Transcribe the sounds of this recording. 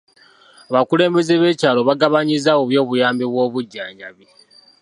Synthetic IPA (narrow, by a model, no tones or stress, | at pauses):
aβakule̞ːmbe̞ze̞βe̞ːcaːlo̞βaɡaβaɲizawoβjo̞ːβujaːmbiβwo̞ːβuɟːaːɲɟaβi